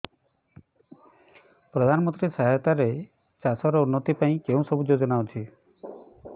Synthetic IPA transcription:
pɾɔd̪ʱanɔmɔnt̪ɾisaɦɛt̪aɾe | t͡ʃasɔɾɔunːɔt̪ipaĩkeũsɔbud͡ʒod͡ʒɔnawt͡ʃʰi

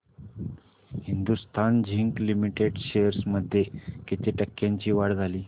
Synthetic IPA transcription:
hind̪ust̪ʰand͡ʑʱiŋklimiʈeɖɕejəɾsməd̪ʱːjekit̪ʰiʈəkːjãɲt͡ɕiːʋaɽd͡zʱaliː

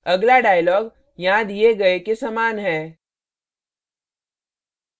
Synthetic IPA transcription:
ɐɡlaɖaːjəlɔːɡ | jɐɦãd̪ijeɡɐekesəmaːnɦɛː

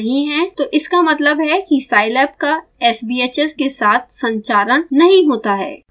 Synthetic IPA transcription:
ɦĩɦɛ̃t̪oːʔɪskamɐt̪ləbɦɛkisaːɪlɛːp̚kaɛːsbiːeːt͡ʃɛskesaːt̪̚ʰsɐ̃ɲt͡ʃaːɾəɽ̃nɐɦĩɦoːt̪aɦɛ̰ː

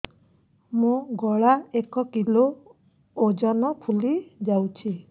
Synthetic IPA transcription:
mũɡɔɭaekɔkiloː | d͡ʒɔnɔpʰulid͡ʒawt͡ʃʰi

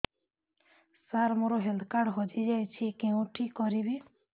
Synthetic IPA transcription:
saɾmoɾɔɦeld̪kaɾɖɦɔd͡ʒid͡ʒajt͡ʃʰikeũʈʰikːɔɾibi

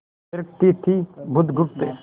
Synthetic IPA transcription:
ɾəkt̪it̪ʰibʱʊd̪ɡʊpt̪e

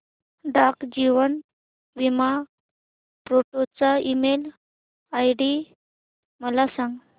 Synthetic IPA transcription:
ɖakd͡ʑiʋən | ʋima | pɾoʈot͡saimel | ajɖi | məlasãŋɡ

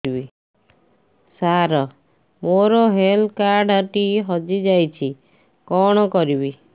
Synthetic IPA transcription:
ibi | saɾɔ | moɾɔɦelkaɾɖʱɔʈiɦɔd͡ʒid͡ʒajt͡ʃʰi | kɔɽ̃ɔkɔɾibi

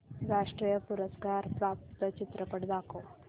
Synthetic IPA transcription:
ɾaʂʈɾijəpuɾəskaɾpɾap̚t̪ət͡ɕit̪ɾəpəɽd̪akʰo

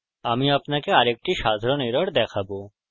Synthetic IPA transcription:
aːmiɐpnakeaɾek̚ʈiʃaːd̪ʱɾɔniɾəɽd̪ɛkʰabo

